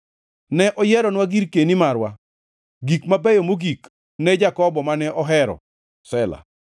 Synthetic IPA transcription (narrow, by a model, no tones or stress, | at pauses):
nɛʔɔjɛɾɔnwaɡiɾkenimaɾwa | ɡikmabɛjomoɡik | nɛd͡ʒakɔbɔmanɛʔɔɦɛɾɔ̰ | sɛla̰